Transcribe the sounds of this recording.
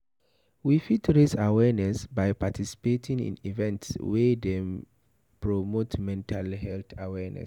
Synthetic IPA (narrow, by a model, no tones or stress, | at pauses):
wifitɹesawɛnɛsbajpatʰisi̥petʰĩŋḭ̃nḭvɛ̃ntswɛde | pɹomotmɛ̃ntʰalɦɛlθʰawɛnɛ̰s